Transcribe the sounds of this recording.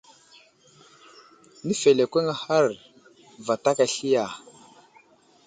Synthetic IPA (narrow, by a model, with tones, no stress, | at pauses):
ni˦fe˨le˨kʷe˦ŋa˨ha˦ɾ | va˨ta˦ka˨ɬi˦ja˨